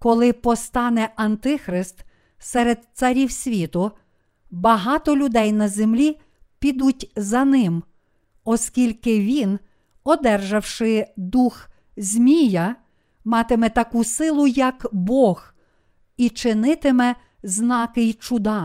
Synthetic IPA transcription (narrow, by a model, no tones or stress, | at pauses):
kɔlˠɪpɔst̪ɑnɛʔɐnt̪ɪxɾɪst̪ | sɛɾed̪̚t̪sɐɾʲiwsʲʋʲit̪ʊ | bɐɦɑt̪ɔlʲʊd̪ɛjnɐzemlʲi | pʲid̪utʲzɐnɪm | ɔsʲkʲilʲkɪʋʲin | ɔd̪ɛrʒɐwʃɪd̪ux | zʲmʲijɐ | mɑt̪ɪmɛt̪ɐkusɪlˠʊjɐkbɔɣ | it͡ʃɪnɪt̪ɪmɛ | znɑkɪjt͡ʃʊd̪ɑ